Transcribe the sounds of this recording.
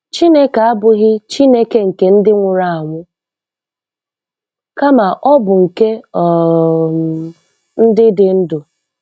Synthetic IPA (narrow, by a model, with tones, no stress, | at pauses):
t͡ʃi˦ne˦ka˨a˦bʊ˦ɣɪ˦t͡ʃi˦ne˦ke˦ŋ̩˨ke˨˦n̩˦dɪ˦ŋʷʊ˨ɾa˦a˨ŋʷʊ˦ | ka˦ma˨ʔɔ˦bʊ˨ŋ̩˨ke˦ɔ˨ | n̩˦dɪ˦dɪ˨n̩˦dʊ˨